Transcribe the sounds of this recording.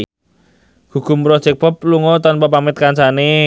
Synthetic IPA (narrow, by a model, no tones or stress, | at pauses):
hukʊmpɾɔ̥t͡ʃɛk̚pɔp̚luŋɔt̪ɔnpap̬amɪt̪̚kant͡ʃane